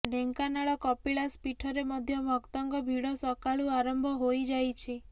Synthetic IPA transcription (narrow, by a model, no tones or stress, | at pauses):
ɖʱeŋkanaɭɔkɔpiɭaspiʈʰɔɾemɔd̪ʱjɔmɔkt̪ɔŋɡɔbʱiɽɔsɔkaɭuaɾɔmbʱɔɦojd͡ʒajt͡ʃʰi